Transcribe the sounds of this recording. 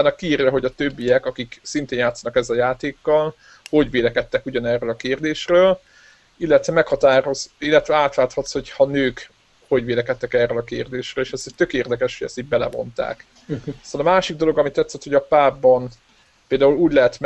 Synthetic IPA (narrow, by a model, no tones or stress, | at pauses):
aːnːɒkːiːrjɒɦo̞ɟɒt̪øbːijɛkɒkiksint̪eːnjaːt̪sɒnɒkɛzːɛljaːt̪eːkːɒl | ho̞ɟʋeːlɛkɛt̪ːɛkuɟɒnɛrːøːlɒkeːrd̪eːʃrøːl | ilːɛt̪ʋɛmɛkhɒt̪aːɾo̞zilːɛt̪ʋɛaːt̪laːt̪hɒt̪sho̞chɒnøːk | ho̞ɟʋeːlɛkɛt̪ːɛkɛrːøːlɒkeːrd̪eːʃrøːleːʃɛst̪ø̞keːrd̪ɛkɛʃhoɟɛ̰st̪iːɟ̚bɛlɛ̰vo̞̰nt̪a̰ːk | sɒlɒmaːʃiɡ̚d̪o̞lo̞ɡɒmit̪ːɛt̪sːɛt̪hoɒpaːbːɒn | peːld̪aːuluːɟlɛɦɛt̪m